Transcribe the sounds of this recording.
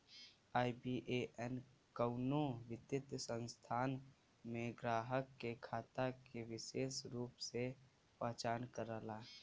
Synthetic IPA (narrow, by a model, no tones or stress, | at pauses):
aːibiːʔeʔɛnkəʊnoʋɪd̪jɪt̪sə̃nst̪ʰaːn | mẽɡɾaːɦəkːekʰaːt̪akeʋɪseːsɾuːpse | pəɦt͡ʃaːnkəɾəla